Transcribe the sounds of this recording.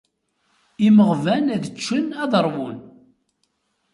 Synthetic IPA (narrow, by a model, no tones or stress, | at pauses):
iməʁvænæðət͡ʃːənæðəɾˤwʊn